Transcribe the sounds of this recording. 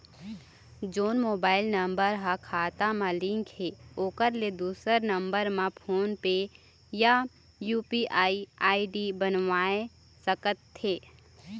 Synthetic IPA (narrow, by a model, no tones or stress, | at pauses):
d͡ʒoːnmoːbaːɪlnə̃mbəɾɦakʰaːt̪amãlɪ̃ŋkɦeoːkəɾled̪uːsəɾnə̃mbəɾmãpʰoːnpe | ja | juːpiʔaːiaːiɖibənʋaːe | səkət̪ʰːeː